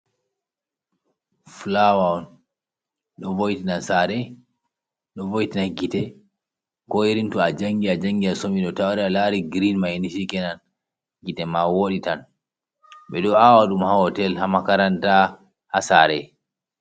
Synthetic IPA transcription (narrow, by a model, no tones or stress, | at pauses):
flawaɔn | ɗɔvojtinansaɾɛ | ɗɔvojtinaɡitɛ | kɔjiɾintuad͡ʒaŋɡiad͡ʒaŋɡiasomiɗɔtawaɾɛalaɾiɡɾinmainisikɛnan | ɡitɛmawoɗitan | ɓɛɗɔawaɗumhahɔtɛlhamakaɾanta | hasaɾɛ̰